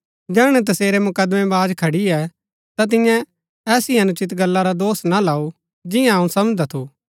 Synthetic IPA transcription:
d͡ʒɛːɽ̃ɛt̪ɐseːɾemʊkəd̪mɛ̃baːd͡ʒkʰɐɽiɛ | t̪at̪̬ɪ̃jã | ɛːsiɐnʊt͡ʃɪt̪ɡɐlːaɾad̪oːsnalaːu | d͡ʒɪjãɐũsɐməd͡ʒd̪at̪ʰuː

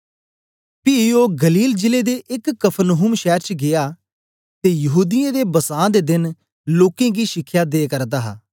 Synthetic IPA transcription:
pioːɡəliːld͡ʒɪled̪eʔɪkːəpʰnoɦʊmʃɛːɾt͡ʃɡɪjaː | t̪ejɐɦuːd̪ɪjãd̪eːbəsãːd̪ed̪ɪn | loːkẽːɡiʃɪkʰːjad̪eːkəɾd̪aːɦa̰ː

